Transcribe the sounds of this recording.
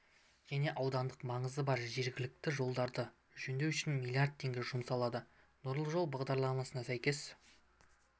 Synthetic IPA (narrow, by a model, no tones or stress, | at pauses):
ʒ̥æne̞ʔɑwd̪ɑnd̪əqmɑɴəzəbɑɾʒe̞ɾɡʲɪlɪk̚t̪ɪʒo̞lˠd̪ɑɾd̪ə | ʒɵnd̪e̞wʏʃɪnmʲijlˠijard̪̚t̪ʰːe̞ŋɡʲeʒʊmsɑlˠɑd̪ə | nʊɾlˠəʒo̞lˠbɑʁd̪ɑɾlˠɑmɑsənɑsæjkʲe̞s